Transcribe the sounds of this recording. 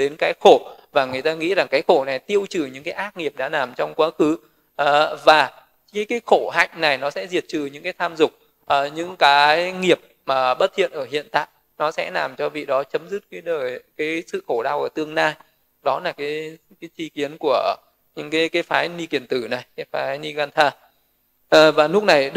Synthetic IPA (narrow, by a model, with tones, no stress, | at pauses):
ɗe˨˦nkaː˨˦jxo˧˩vaː˨˩ŋɨ˨˩əjt̪aː˧ŋḭ˧˥zaː˨˩kaː˨˦jxo˧˩na˨˩jt̪i˧əwt͡ɕɨ˧˨˩ɲɨ̰˧˥ŋkaː˨˦jʔaː˦˥k̚ŋi˨˩əp̚ɗa̰ː˧˥laː˨˩mt͡ɕɔ˧wŋ͡mkwaː˨˦xɨ˨˦˨ | vaː˨˩ | a˨˦kaː˨˦jxo˧˩ɦa̰˧˨jŋ̟na˨˩jnɔ˨˦sɛ̰˧˥zi˨˩ət̚t͡ɕɨ˨˩ɲɨ̰˧˥ŋkaː˨˦jt̪ʰaː˧mzʊ˨˩k͡p̚ | ʔɲɨ̰˧˥ŋkaː˨˦jjŋi˨˩əp̚maː˨˩ɓə˦˥t̚hʰḭ˧˨ənʔəː˧˩ɦḭ˧˨ənt̪a̰ː˧˨j | nɔ˨˦sɛ̰˧˥laː˨˩mt͡ɕɔ˧vḭ˧˨ɗɔ˨˦t͡ɕə˨˦mzɨ˦˥t̚kaː˨˦jɗəː˨˩jkaː˨˦jsɨ̰˧˨xo˧˩ɗaː˧wʔəː˧˩t̪ɨ˧əŋnaː˧j | ɗɔ˨˦laː˨˩kaː˨˦jkaː˨˦jt͡ɕi˧ki˨˦ənku˧˩ə | ɲɨ̰˧˥ŋkaː˨˦jkaː˨˦jfaː˨˦jni˧ki˨˩ənt̪ɨ˧˩na˨˩jkaː˨˦jfaː˨˦jni˧ɣaː˧nt̪ʰaː˧ | ʔvaː˨˩lʊ˦˥k͡p̚na˨˩j